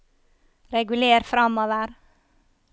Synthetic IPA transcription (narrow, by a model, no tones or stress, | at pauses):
ɾɛɡʉleːɾfɾɑmoːʋəɾ